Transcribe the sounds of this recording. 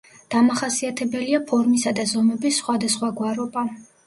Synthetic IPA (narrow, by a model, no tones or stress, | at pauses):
d̪̥amaχasiat̪ʰɛbɛliapʰɔɾmisad̪azɔmɛbisːχwad̪asχwaɡwaɾɔba